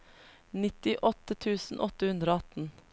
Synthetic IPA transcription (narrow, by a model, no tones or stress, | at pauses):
nɪt̪ɪʔɔt̪ət̪ʰʉːsn̩ʔɔt̪əhʉnd̪ɾoːɑt̪n̩